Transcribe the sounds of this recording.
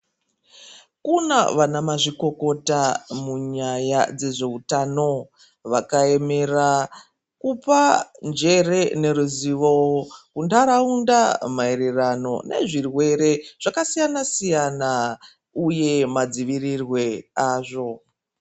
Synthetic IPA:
kuna̰ʋanamaʐiko̞ko̞tamuɲajad͡ze̞ʐe̞utano̞ | ʋakae̞me̞ra | kupand͡ʒe̞re̞ne̞ɾuziʋokundaɾaundamaeɾerano̞̰ne̞̰ʐirwe̞ɾe̞ʐ̥akasijanasijana | uje̞mad͡ziʋirirwe̞aːʐo̞

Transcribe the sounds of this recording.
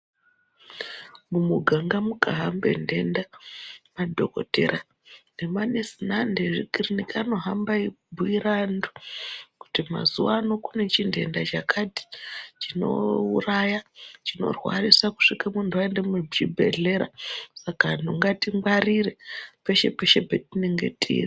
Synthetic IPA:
mumuɡʱaŋɡamukaɦambe̞̰nde̞ndamadʱoko̞̰te̞̰ɾa | nemanesinandeʐḭkirinikano̞ɦambaibʱuiɾandoku̥tima̰zuwano̞kune̞t͡ʃindʱe̞̰ndat͡ʃakʰati̥t͡ʃino̞̰urajat͡ʃino̞̰rwa̰risaku̥ʂikamuntʰuaendemut͡ʃibʱḛɮe̞ɾa̰sakan̤uŋɡatiŋbaɾiɾepe̞ʃe̞peʃe̞bʱetineŋɡe̞̰tʼḭːri

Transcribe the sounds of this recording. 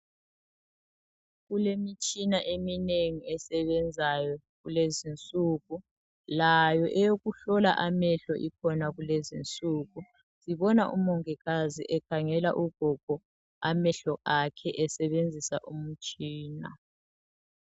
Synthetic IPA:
ɣulemit͡ʃʼinaʔemineŋiɛsɛβɛnd͡zʱajɔ | ɣulezint͡sʼuːɣu | lajɔʔɛjoɣuɬɔlaʔamɛɬɔʔikʰɔnaɣulezint͡sʼuːɣu | ziβɔnaʔṵmɔŋɛɣazḭʔɛkʰaŋɛla̰ʔuɡ̥ʱɔɡ̥ʱɔ | amɛɬɔʔakʰɛʔɛsɛβend͡zʱisaʔum̩t͡ʃʼiːna̰

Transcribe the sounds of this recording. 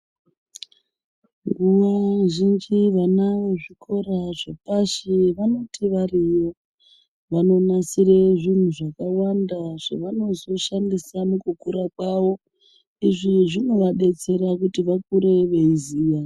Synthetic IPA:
ŋɡuʋaʒind͡ʒiʋanaʋo̞ʐikʰo̞ɾaʐepaʃiʋano̞tiʋarijo̞ | ʋano̞nasireʐin̤uʐakawandaʐ̥ḛʋano̞zo̞ʃandisanokukuɾakwaʋo̞ | iʐiʐimweʋaɗe̞t͡se̞ɾakutiʋakuɾe̞ʋe̞iziːja

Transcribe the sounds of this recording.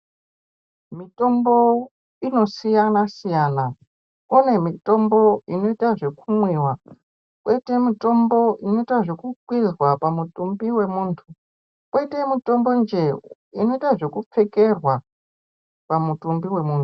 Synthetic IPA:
mito̞mbo̞ | ino̞sijanasijana | konemito̞mbo̞ino̞itaʐe̞kumwiwa | kwʔe̞te̞mito̞mbo̞ʔino̞itaʐe̞kukwizwapamutumbiwe̞muːntʰu | kwʔe̞te̞mito̞mbo̞nd͡ʒe̞ | ino̞itaʐe̞kup͡fe̞ke̞rwa | pamutumbiwe̞muːntʰu̥

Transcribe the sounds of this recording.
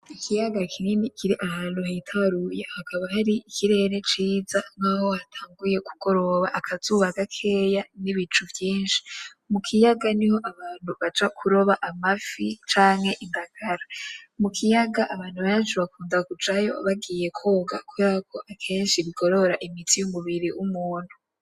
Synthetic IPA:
ikʰijaɡakʰiniːnikiɾiʔahaːn̥huhatʰaɾujehakʰaβahaɾiːkʰiɾe̞ɾe̞t͡ʃiːzaŋaːho̞hatʰaːŋɡuje̞kuɡ̥o̞ɾo̞βaʔakʰazuβaɡakʰe̞ːjaniβit͡ʃuvjiːnʃi̥ | mukʰijaɡaniho̞ʔaβaːn̥huβad͡ʒakʰuɾo̞βaʔamafit͡ʃaːŋhe̞ʔindaɡ̥aɾamukʰijaɡaʔaβaːn̥huβaat͡ʃuβakʰuːndakud͡ʒajo̞̰βaɡiːje̞kʰo̞ːɡakuakʰo̞ʔakʰe̞ːnʃiβiɡ̥o̞ɾo̞ɾaʔimitijumuβiɾiʔumuːn̥hu

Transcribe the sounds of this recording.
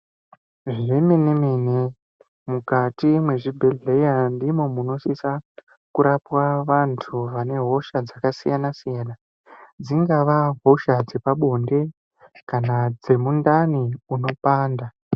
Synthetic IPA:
ʐiremenemene | mukatimwe̞ʐibʱe̞ɮe̞jandimo̞muno̞ʃisa | kuɾapwaʋantʰuʋane̞ɦo̞ʃad͡zakasḭjanasijaːna | d͡ziŋɡaʋaɦo̞ʃad͡ze̞paɓo̞nde̞ | kanad͡ze̞mundaniuno̞paːnda

